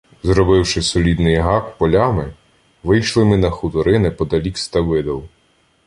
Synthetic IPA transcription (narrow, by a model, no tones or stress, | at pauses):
zɾɔbɪwʃɪsɔlʲid̪nɪjɦɑkpɔlʲamɪ | ʋɪjʃlˠɪmɪnɐxʊt̪ɔɾɪnɪpɔd̪ɐlʲikst̪ɐʋɪd̪ɐw